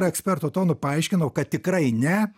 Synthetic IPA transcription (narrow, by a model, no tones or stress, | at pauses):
ɾɐɛksʲpʲɛrt̪ʊt̪oːnʊpɐɐɪʃʲkʲɪnɐʊkɐt̪̚t̪ʲɪkɾɐɪnʲɛ